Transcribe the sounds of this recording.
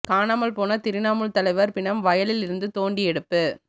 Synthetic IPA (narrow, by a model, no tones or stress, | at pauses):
kaːnaːmɐlpoːnɐt̪ɪɾɪnaːmɯɭt̪ɐlɐɪʋɐɾpɪɳɐmʋɐjɐlɪlɪɾɯnd̪ɯt̪oːɳɖiɛɽɯpːɯ